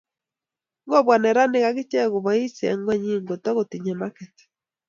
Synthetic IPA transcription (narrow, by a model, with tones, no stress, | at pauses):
ŋ˦ɡo˦βwa˨nɛ˨ɾa˦ne˦ɣa˦ɣi˦t͡ʃɛ˦ɣo˨βɔ˨i˦sɛ̰˨ŋɡwɛ˦ɲi˦ŋɡo˨tɔ˦ɣo˨ti˨ɲɛ˨ma˦kɛ˨tɛ̥˨